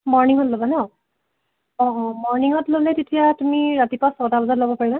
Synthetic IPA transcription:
mɔɹniŋɔtlobanɛ | ɔ̃ʔɔ̃mɔɹniŋɔtlolɛtetijatumiɹatipasɔtalɔzatlobɔpaɹila

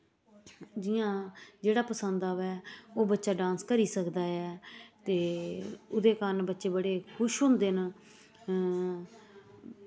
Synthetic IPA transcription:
d͡ʒɪjãːd͡ʒeːɽaːpəsənd̪aːʋɛːoːbətːʃaːɖãːnskəɾiːsəkd̪aːɛːt̪eːʊd̪eːkəɾnbətːʃeːbəɽeːkʰʊʃʊnd̪ɪn

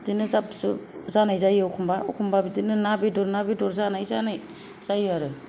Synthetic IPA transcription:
dinɯzapsuzanajzajɯukʰumbaṵkʰumbabidinɯnabidɔɾnabidɔɾzanajzanaj | z̥ajɯaɾɯ

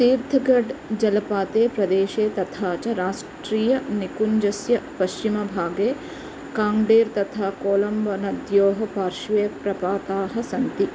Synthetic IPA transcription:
siːɾd̪ʱɐɡɐɖd͡ʒɐlɐpaːt̪eːpɾɐd̪eːʃeːt̪ɐt̪ʰaːt͡ʃɐɾaːsʈɾiːjɐnikuɲd͡ʒɐsjɐpɐʃt͡ʃimɐbʱaːɡeː | kaːŋɖeːɾt̪ɐt̪ʰaːkoːlɐmbɐnɐd̪joːɦɐpaːɾʃʋeːpɾɐpaːt̪aːɦɐsɐnt̪i

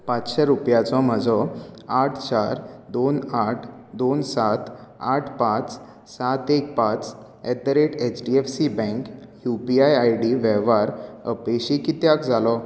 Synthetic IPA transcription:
pãt͡sɕɛɾupjat͡sɔm̤əd͡zɔaʈʰt͡ɕaɾd̪onaʈʰ | d̪onsat̪aʈʰpãt͡s | sat̪ek̚pãt͡s | ɛt̪əɾeʈet͡ɕɖiefsibɛ̃kjupiajajɽiʋɛʋaɾə̰peɕikit̪jakd͡zalɔ

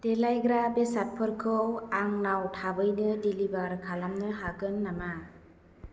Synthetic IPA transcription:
delajɡɾabesat̚pʰɯɾkʰɯwaŋnawtʰabɯjnɯdilibaɾkʰalamnɯɦaɡɯnːama

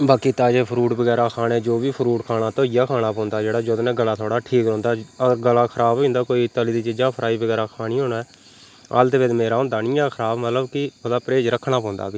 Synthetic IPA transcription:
baːkiːt̪aːd͡ʒeːpʰəɾuːʈbəɡɛːɾaːkʰaːɽeːd͡ʒoːbiːpʰəɾuːʈkʰaːɽaːt̪oːijaːkʰaːnaːpɔ̃ːnd̪aːd͡ʒeːɽaːd͡ʒoːd̪nɛ̃ːɡəlaːt̪ʰoːɽaːʈʰiːkɾõːnd̪aːəɾɡəlaːkʰəɾaːboːʊ̃ːnd̪aːkoːiːt̪əlid̪iːt͡ʃɪd͡ʒãːpʰəɾʔaːiːbəɡɛːɾaːkʰaːniːõːnːɛː | a̰ːlt̪eːʋɪd̪meːɾaːɦõːnd̪aːnɪ̃ːaːkʰəɾaːbmət̪ləbkɪkʰod̪aːpɾeːd͡ʒɾəkʰːnaːpɔ̃ːnd̪a̰ːbiː

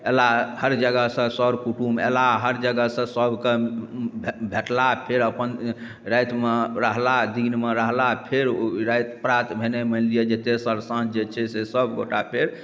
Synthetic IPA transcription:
elahəɾd͡ʒəɡəɦsə̃səɾkuʈumḛlaɦəɾd͡ʒəɡəsə̃səbʱke | bʱeʈlapʰeɾəpən | ɾajt̪meɾəɦlad̪inmeɾəɦlapʰeɾɾajt̪pɾat̪bʱenemənlijed͡ʒet̪esəɾsãd͡ʒet͡ʃʰɛsesəbɡo̰ʈa̰pʰeɾ

